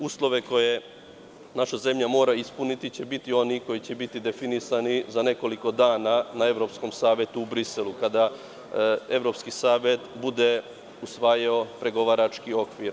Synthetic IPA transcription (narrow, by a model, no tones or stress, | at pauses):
uslˠo̞ʋe̞ko̞je̞ | naʃaze̞mʎamo̞ːɾaispunit̪it͡ɕe̞bit̪io̞niko̞jit͡ɕe̞bit̪id̪e̞finisanizane̞ko̞liko̞d̪aːnanae̞ʋɾo̞psko̞msaːʋje̞t̪uubɾiselˠukad̪a | e̞ʋɾo̞pskisaːʋje̞t̪bud̪e̞ | usʋajao̞pɾe̞ɡo̞ʋaɾat͡ʃkio̞kʋiɾ